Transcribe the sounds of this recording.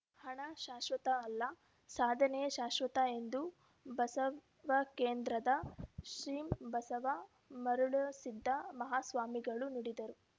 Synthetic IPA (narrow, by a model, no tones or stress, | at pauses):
hɐɳɐʃaːʃʋɐt̪ɐːlːɐ | saːd̪ʱɐneʃaːʃʋɐt̪ɐe̞nd̪u | bɐsɐ | ʋɐkeːnd̪ɾɐd̪ɐʃɾiːmbɐsɐʋɐ | mɐɾuɭɐsid̪ʱːɐmɐɦaːsʋaːmiɡɐɭuniɽid̪ɐɾu